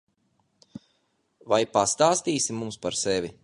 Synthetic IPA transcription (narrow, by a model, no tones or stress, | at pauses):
vajpast̪aːst̪iːsimumspaɾsevʲi